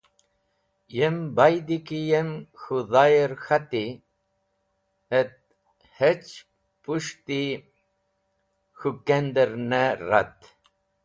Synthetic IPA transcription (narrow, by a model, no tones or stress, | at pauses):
jembajd̪ikijemxuðajeɾxat̪i | et̪̚ | het͡ɕ | puʂt̪i | xukend̪eɾneɾa̰t̪